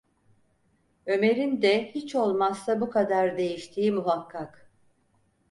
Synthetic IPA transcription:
ø̞me̞ɾind̪ɛhit͡ʃo̞lˠmasːabukʰad̪aɾd̪e̞jiʃt̪ʰiːmuɦakʰːak

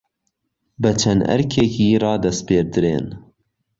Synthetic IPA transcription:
bɨt͡ʃʰɛnʔɛ̰ɾkʰekiːrɑːd̪ɐspeːɾd̪ɨɾḛːn

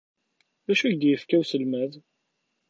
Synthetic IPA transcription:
ðæʃuçd̪jəfkæwsəlmæð

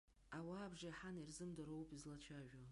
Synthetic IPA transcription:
awaːbʐajħanirzɨmdaɾowpʼizlat͡ɕʷʰaʒᶣa

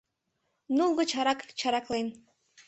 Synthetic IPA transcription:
nulˠɣɤ̆t͡ɕɑɾɑkt͡ɕɑɾɑklen

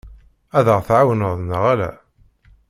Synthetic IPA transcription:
æðəʁθʕawənəðˤnəʁælæ̰

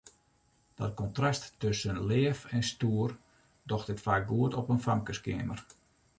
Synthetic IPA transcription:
d̥ɔt̚kɔntrasttøsənleəfɛnstuər | dɔxtɪtfaːk̚ɡuətɔpənfamkəskɪːmər

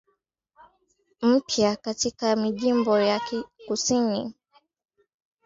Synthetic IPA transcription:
m̩pjakatikamiʄimbɔjakikusini

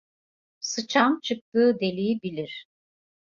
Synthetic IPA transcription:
sɯt͡ʃʰamt͡ʃʰɯk̚t̪ɯːd̪e̞lʲijibilʲiɾ̥

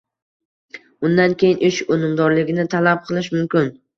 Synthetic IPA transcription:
ʊnd̪ankʲʰejɪnʔɪʃonɪmd̪ɒɾlɪɡʲɪnɪt̪ʰalap̚qʰɨlˠɪʃ̬mʊmkʲɪn

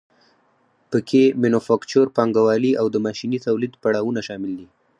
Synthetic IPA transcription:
pəkʰeminofɑkt͡ʃoɾpɑŋɡawɑliawd̪əmɑʃinit̪awlid̪paɽɑwunaʃɑmɪld̪i

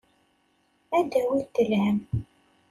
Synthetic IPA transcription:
æd̪æwit̪ːəlhəm

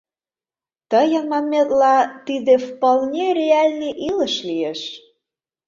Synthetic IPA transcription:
t̪əjə̆nmɑmmʲet̪lɑt̪id̪efpɑlˠnʲeɾʲeɑlʲniʔilə̆ʃlieʃ

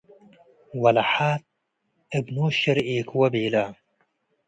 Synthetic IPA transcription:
wɐlaħaːt̪̚ | ɪbnoːʃɪɾeːkwɐbeːlaː

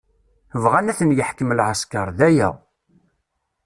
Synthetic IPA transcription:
vʁænæθənjəħkəmlʕaskɑɾˤðæjæ̰

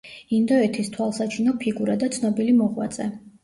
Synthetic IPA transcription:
ind̪ɔɛt̪ʰist̪ʰwalˠsat͡ʃʰinɔpʰiɡuɾad̪at̪sʰnɔbilimɔʁwa̰t̪zʼɛ

